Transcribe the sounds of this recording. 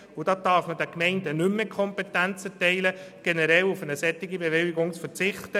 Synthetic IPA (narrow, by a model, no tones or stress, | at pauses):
ʊd̥ɑːd̥ɑːɾfməd̥ɛkmɛɪndənʏmːɪkʰɔmpɛtænt͡sətɛɪləɡ̥enɛɾɛlufənəsɛtːɪɡibeʋɪltɪɡʊŋsfəɾt͡sɪχt̪ə